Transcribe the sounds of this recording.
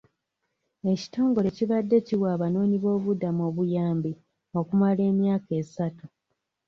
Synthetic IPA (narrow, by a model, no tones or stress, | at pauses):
e̞ci̥to̞ːŋɡo̞le̞ciβadːe̞ciwaːβano̞ːniβo̞ːβudamo̞ːβujaːmbi | o̞kumale̞ːmjaːke̞ːsatu